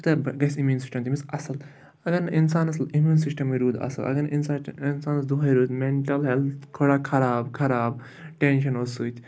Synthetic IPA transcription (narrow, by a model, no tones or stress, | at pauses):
t̪ɐbɡɐsimjuːnsi̥sʈɐmt̪imisɐsɐl | ɐɡɐɾnʔinsaːnɐslimjuːnsisʈɐmiɾuːd̪ɐ̰sɐlʔɐ̰ɡɐninsainsaːnɐsd̪uɦɐjɾuːd̪meɳʈɐlɦelt̪kʰoɽakʰɐɾaːbkʰɐɾaːb | ʈenʃɐnosuːt̪ʰʲ